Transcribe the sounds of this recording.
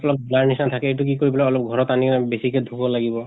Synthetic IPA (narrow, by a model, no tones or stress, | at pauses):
pɔlɔp̚bulaɹnisantʰakɛet̬uk̬ikoɹibɔlaɔlɔp̚ɡʱɔɹɔtanikɛnabesikɛdʱuɡɔlaɡibɔ